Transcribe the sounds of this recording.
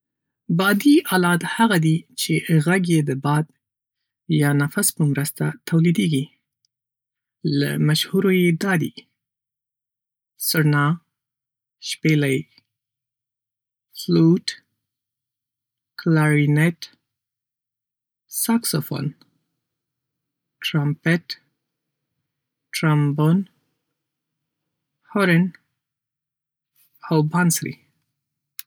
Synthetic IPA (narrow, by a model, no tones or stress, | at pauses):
bɑd̪iɑlɑd̪haɣad̪it͡ʃeɣaɡjed̪əbɑd̪ | jɑnafaspəmɾəst̪at̪ʰawlid̪eɡi | la̰maʃhuɾojed̪ɑd̪ḭ | sʊɾnɑ | ʃpelaj | fluʈ | klaɾinɛt̪ | saksofo̰n | tɾampɛt̪ | tɾambon | hɔɾen | awbansɾḭ